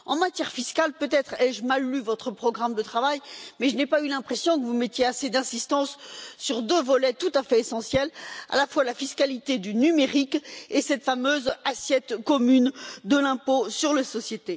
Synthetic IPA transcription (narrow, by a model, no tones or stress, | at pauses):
ɑ̃mat̪jɛʁfiskalpøt̪ɛt̪χɛʒəmalːyvɔt̪χəpχɔɡʁamd̪ət̪χavajmɛʒənɛpaylɛ̃pχesjɔ̃kəvumɛt̪jeased̪ɛ̃sist̪ɑ̃sːyʁd̪øvɔlɛt̪ut̪afɛesɑ̃sjɛla̰lafwalafiskalit̪ed̪ynymeʁikesɛt̪famøzasjɛt̪kɔmynd̪əlɛ̃posyʁlasɔsjet̪e